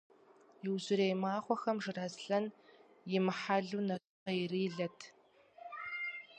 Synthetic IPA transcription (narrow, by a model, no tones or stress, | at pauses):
jɪwʑɪɾejmaːχʷɔxɐmʐɨrazɬɐn | jɪmɨħaɮuːnɐ | qɐjriːɮɐtʰ